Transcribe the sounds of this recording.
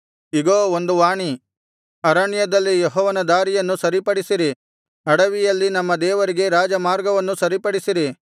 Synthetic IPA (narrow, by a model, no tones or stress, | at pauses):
iɡoːond̪uʋaːɳi | ɐɾɐɳjɐd̪ɐlːijeɦɔːʋɐnɐd̪aːɾijɐnːusɐɾipɐɽisiɾi | ɐɽɐʋijɐlːinɐmːɐd̪ɛːʋɐɾiɡe̞ɾaːd͡ʒɐmaːɾɡɐʋɐnːusɐɾipɐɽisiɾi